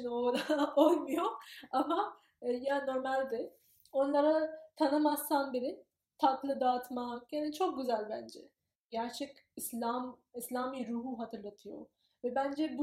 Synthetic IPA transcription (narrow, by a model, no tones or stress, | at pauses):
nod̪aolˠmujoama | jano̞ɾmalʲd̪ɪ | o̞nlˠaɾat̪ʰanɯmast̪anbiɾi | t̪ʰat̪lˠɯd̪aːt̪majaːnit͡ʃʰo̞k̚ɟyzælʲbænd͡ʒɛ̰ | ɟæɾt͡ʃʰɛkislʲam | islʲaːmiɾuːɦuɦat̪ʰɯɾlˠat̪ʰɯjo̰ | vɛbænd͡ʒɛbu